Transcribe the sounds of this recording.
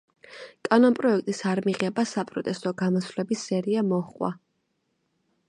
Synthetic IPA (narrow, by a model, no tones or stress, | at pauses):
kʼanɔnpʼɾɔɛk̚ʰt̪ʼisaɾmiʁɛbasapʼɾɔt̪ʼɛst̪ʼɔɡamɔsvlɛbisːɛɾiamɔχqʼwa̰